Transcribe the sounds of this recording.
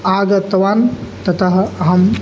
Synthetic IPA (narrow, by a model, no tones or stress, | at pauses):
aɡət̪ʋant̪ɐt̪əɦɦəm